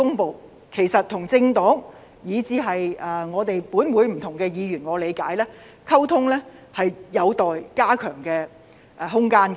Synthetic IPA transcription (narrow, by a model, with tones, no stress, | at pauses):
ʊ˥ŋpo˨˧w | kʰe˨˩jsɐ˨t̚t̪ʰːʊ˨˩ŋt͡sɪ˧ŋt̪ɔː˨˥ŋ | jiː˨˧˥t͡siː˧ɦɐ˨jɐː˨˧ŋɔː˨˧t̪e˨jpuː˨˥nwuː˨˧jm̩˨˩t̪ʰʊ˨˩ŋkɛː˧jiː˨˧ɥyː˨˩nŋɔː˨˧le˨˧jkaː˨˥jlɛː˥ | kʰɐ˥wt̪ʰʊ˥ŋlɛː˥ | hɐ˨jjɐ˨˧wt̪ɔː˨jkaː˥kʰœː˨˩ŋkɛː˧ | ʔɦʊ˥ŋkaː˥n